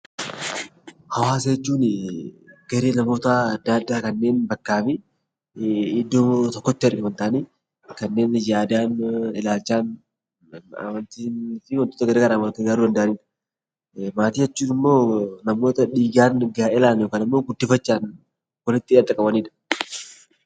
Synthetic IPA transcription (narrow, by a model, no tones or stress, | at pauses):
hɐwaːsɐɛt͡ʃːuːnɪ | ɡ̥ɐɾeːnɐmo̞ːt̪ɐd̪ːaːd̪ːaːkɐnːe̞ːnbɐkːaːmɪ | d̪ːoːt̪ɔkːɔt͡ʃːaɾkwɐnt̪ɐaʔːniː | kɐnːe̞ːnjaːd̪aːnɪlaːlt͡ʃːaːn | ɐ̰mɐnt̪iːnfɪwɐnt̪oːt̪ɐɡɐɾeːɡɐɾaːwɐnt̪ɪɡaːɾuːd̪ɐnd̪ɐʔɐniːᶑɐ̥ | maːt̪iːɐt͡ʃːuːnɪmːo̞ːnɐmo̞ːt̪ɐᶑiːɡaːnɡaɪlaːnjoːkaːnɪmːo̞ːɡʊd̪ːɪfɐt͡ʃːaːn | wɔlɪt̪ːiɐd̪ːɐkʼɐbɐniːᶑɐ̥